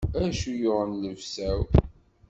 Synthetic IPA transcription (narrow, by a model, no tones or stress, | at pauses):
æʃujoʁənləvsæw